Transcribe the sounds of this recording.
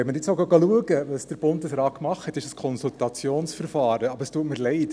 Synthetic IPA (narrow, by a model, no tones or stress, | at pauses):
ɛməɾɪt͡soʊɡɑɡɑluəɡəʋɑsd̥əɾb̥ʊndəsɾɑːt̚kmɑχthɛtɪʃəskʰɔnsult̪ɑt͡sjoːnsfəɾfɑːɾəɑbəəstuətməɾlɛɪt